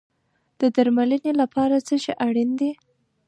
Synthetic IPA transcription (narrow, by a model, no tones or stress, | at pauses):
d̪̥əd̪aɾmalənelapɑɾat͡səʃeʔaɽind̪i